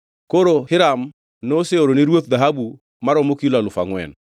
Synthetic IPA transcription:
koɾohɪɾam | noseoɾoniɾwot̪̚d̪aɦabu | maɾɔmokiulalʊfa̰ŋwɛ̰n

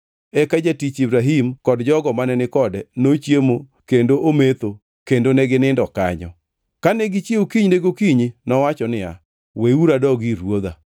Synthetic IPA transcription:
ɛkad͡ʒatit͡ʃibɾaɦimkɔdd͡ʒɔɡɔmanɛnɪkɔdɛnot͡ʃjemo | kendoʔomet̪o | kendonɛɡɪnɪndɔka̰ɲɔ̰ | kanɛɡit͡ʃjeukiɲneɡokiɲinɔwat͡ʃɔnɪa̰ | weuɾadɔɡiɾwod̪a̰

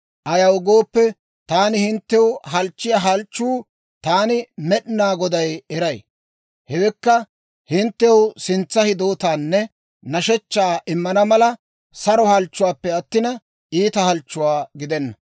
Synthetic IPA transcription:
ʔɐjɐwɡo̞ːpːɛ | t̪aːnɪhɪnt̪ːɛwɦɐlt͡ʃːɪjɐɦɐlt͡ʃːuː | t̪aːnɪmɛɗɪnaːɡɔd̪ɐjɛɾɐj | hɛwɛkːɐ | hɪnt̪ːɛwsɪnt͡sːɐhɪd̪o̞ːt̪aːnːɛ | nɐʃɛt͡ʃːaːʔɪmːɐnɐmɐlɐ | sɐɾɔhɐlt͡ʃːʊwaːpːɛɐt̪ːɪnɐ | ʔiːt̪ɐhɐlt͡ʃːʊwaːɡɪd̪ɛnːɐ

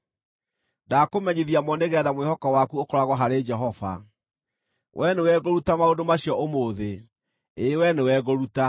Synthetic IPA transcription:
dakomɛɲeðiamɔneɣɛðamwehɔkɔwakuokɔɾaɣɔɦaɾed͡ʒɛɦɔva̰ | wʔɛnewɛɣoɾutamaodomaɕiɔʔomoːðe | ewɛnewɛɣoɾuta

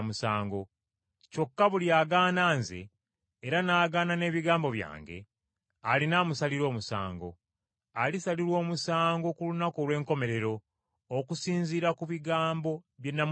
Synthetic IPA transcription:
musaːŋɡo | co̞kːaβuliaːɡaːnaːnzḛː | ɾanaːɡaːnane̞ːβiɡaːmbo̞βja̰ːŋɡe̞̰ | alinaːmusaliɾo̞ːmusa̰ːŋɡo̞̰ | alisaliɾwo̞ːmusaːŋɡo̞kulunakoːlwe̞ːŋko̞me̞ɾe̞ɾo̞ː | kusiːnziːɾakuβiɡaːmbo̞βje̞nːam

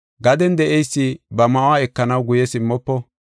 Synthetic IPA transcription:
ɡɐd̪ɛnd̪ɛʔɛjsːɪbɐmɐwaɛkːɐnɐwɡʊjɛsɪmːɔpːɔ

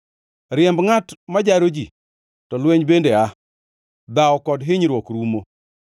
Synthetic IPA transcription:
ɾɪɛmbŋatmad͡ʒaɾod͡ʒi | tɔlweɲbendea | d̪aɔkɔdɦɪɲɾwɔkɾumo

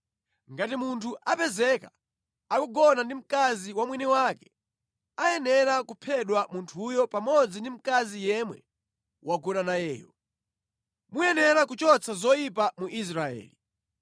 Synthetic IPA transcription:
ŋɡatimuntʰuʔapɛzɛka | akuɡɔnandim̩kaziwamwinɛwakɛ̥ | ajɛnɛɾakupʰɛɗwamuntʰujɔpamɔd͡zindim̩kazijɛmwɛ̰ | waɡuɗanajɛ̰ːjɔ̰ | mujɛnɛɾakut͡ʃɔt͡sʰazɔjipamuʔis̬ɾaɛ̰ːli

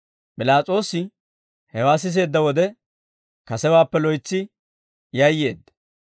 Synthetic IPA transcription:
pʼɪlaːt͡sʼo̞ːsɪ | hɛwaːs̬ɪs̬e̞ːd̪ːɐwɔd̪ɛ | kɐsɛwaːpːɛlɔjt͡sːɪ | jɐjːe̞ːd̪ːɐ

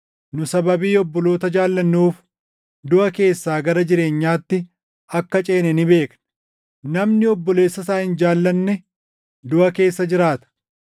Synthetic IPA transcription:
nʊsɐbɐbiːɔbːɔlo̞ːt̪ɐd͡ʒaːlːɐnːuːf | d̪ʊʔɐke̞ːsːaːɡɐɾɐd͡ʒɪɾe̞ːɲːaːt̪ːɪ | ɐkːɐt͡ʃʼe̞ːnɛnɪbe̞ːknɐ | nɐmnɪɔbːɔle̞ːsːɐsaːhɪnd͡ʒaːlːɐnːɛ | d̪ʊʔɐke̞ːsːɐd͡ʒɪɾaːt̪ɐ̥

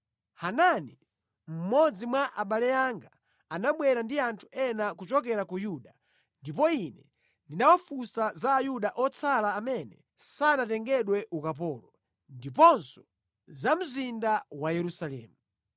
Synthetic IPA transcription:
hanani | m̩mɔd͡zimwaʔaɓalɛaŋɡa | anaɓwɛɾandiantʰu̥ʔɛnakut͡ʃɔk̬ɛɾakujuɗa | ndip̬ɔinɛ | ndinawɔfusazaːjuɗaʔɔt͡sʰalaːmɛnɛ̰ | sanatɛŋɡɛɗwɛʔukap̬ɔːlɔ | ndipɔnsɔ̥ | zam̩zindawajɛɾusalɛ̰ːmu

